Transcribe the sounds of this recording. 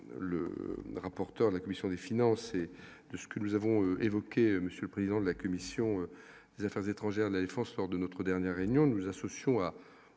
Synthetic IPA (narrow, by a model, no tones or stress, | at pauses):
lə̰ʁapɔʁt̪œʁd̪əlakɔmisjɔ̃d̪efinɑ̃se | d̪̥əsə̥kənuzavɔ̃øevɔkʲeməsjøləpχezid̪ɑ̃d̪əlakɔmisjɔ̃ø | d̪̥ezafɛʁzet̪χɑ̃ʒɛʁd̪əlad̪efɑ̃slɔʁd̪ənɔt̪χəd̪ɛʁnjɛʁːeynjɔ̃nuzasɔsjɔ̃a